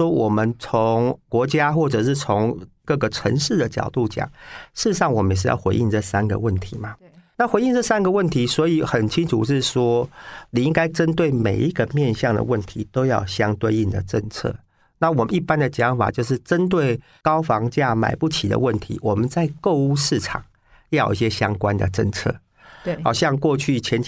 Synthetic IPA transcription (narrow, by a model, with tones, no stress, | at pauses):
wɔ˥wɔ˨˩mə˨nt͡sʰo˧˦ŋkwɔ˧˥t͡ɕja˦xwɔ˥˩ʈ͡ʂɤ˨˩ʂɻ̩˥˩t͡sʰo˧˦ŋkɤ˥˩ɡə˩ʈ͡ʂʰə̰˧˦ŋʂɻ̩˥˩d̪ə˩t͡ɕjɑ̰˨˩ʊt̪u˥˩t͡ɕjɑ̰˨˩˦ŋʂɻ̩˥˩˧ʂɑ˥˩ŋwɔ˨˩mə˦njɛ˨˩ʂ̬ɻ̩˥jɑ̰˥˩ʊxwe˧˥ɪʔi˥˧nʈ͡ʂɤ˥˩sa˦nɡə̰˨wə˥˩nt̪ʰi˨˦ma˦na˥˨xwe˧˥ɪi˥˧nʈ͡ʂɤ˥˩sa˦˥nɡə˨wə˥˨nt̪ʰi˨˦swɔ˧˥i˨˩xə˨˩nt͡ɕʰi˥ŋʈ͡ʂʰṵ˨˩ʂɻ̩˥˩ʂwɔ˥ni˨˩i˦˥ŋka˥ɪʈ͡ʂə˦˥nt̪we˥˩ɪme˨˩ɪi˦˥ɡə˨mjɛ˥˧nɕjɑ˥˩ŋd̪ə̰˩wə˥˩nt̪ʰi˧˥t̪o˥ʊjɑ˥˩ʊɕjɑ˥ŋt̪we˥ɪi˥˩nd̪ə̰˩ʈ͡ʂə˥˧ŋt͡sʰɤ̰˥˩ | na˥˩wɔ˨mə˨˦ni˥˩pa˦˥nd̪ə˨t͡ɕjɑ˧˥ŋfa̰˨˩t͡ɕjo˥˧ʊʂ̬ɻ̩˥˩ʈ͡ʂə˦nt̪we˥˩ɪ | kɑ˥ʊfɑ˧˥ŋt͡ɕja˥˩ma̰˨˩ɪpu˥˩t͡ɕʰi˨˩d̪ə̰˦wə˥˩nt̪ʰḭ˧˦wɔ˨˩mə˨nt͡sa˥˧ɪko˥˧ʊu˥ʂɻ̩˥˩ʈ͡ʂʰɑ̰˨˩ŋ | jɑ˥˩jo̰˨˩i˥˧ɕjɛ˥ɕjɑ˦˥ŋkwa˦nd̪ə̰˨ʈ͡ʂə̰˥˩ŋt͡sʰɤ̰˥˩ | xɑ˨˩ʊɕjɑ˥˧ŋkwɔ˥˧t͡ɕʰy˥˩t͡ɕʰjɛ˧˥nt͡ɕʰ